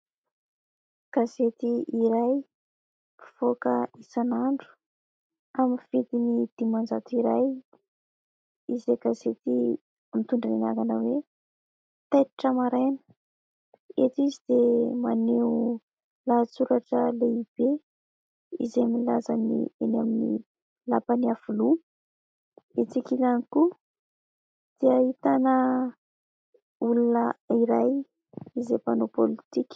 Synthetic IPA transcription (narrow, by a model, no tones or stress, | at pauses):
kaset̪iiɾaj | pi̥v̥okəisanaɳɖ͡ʐu̥ | aminfit̪inid̪̥imand͡zat̪iɾaj | izekazet̪i | mit̪uɳɖ͡ʐḭna̰ɡanəwe | t̪ajt̪iʈ͡ʂamaɾanə | et̪izid̪̥emaneu | lat͡suɾaʈ͡ʂəleib̥e | ḭzemilazanḭenaminḭ | lapaniafulu | et͡sikilaniku | d̪̥eahit̪anə | ulunəiɾaj | izepanopolit̪ikʲ